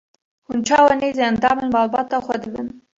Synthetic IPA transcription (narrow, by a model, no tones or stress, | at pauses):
hunt͡ʃʰɑːwɑneːzeænd̪ɑːmenmɑːlbɑːt̪ɑːxʷɛd̪ɨbɨn